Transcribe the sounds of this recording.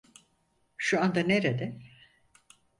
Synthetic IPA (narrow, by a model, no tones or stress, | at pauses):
ʃuand̪aneɾed̪ɛ